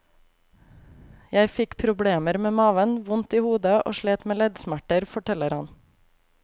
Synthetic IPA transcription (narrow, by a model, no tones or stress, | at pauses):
jæɪfɪkpʰɾʊbɽeːməɾmeːmɑːʋənʋʊnt̪iːhuːd̪əʔo̰ːʃɭeːt̪meːlɛd̪smæʈəɾfɔʈʰɛləɾhɑ̰n